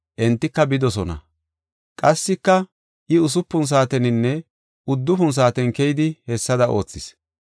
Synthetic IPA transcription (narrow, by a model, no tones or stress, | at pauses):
ʔɛnt̪ːɪkːɐbɪd̪ɔsɔnɐ̰ | kʼɐsːɪkːɐ | ʔɪʊs̬ʊpːʊns̬aːt̪ɛnɪnːɛ | ʊd̪ːʊfʊns̬aːt̪ɛnkɛjɪd̪ɪhɛsːɐd̪ɐʔo̞̰ːt͡sːɪs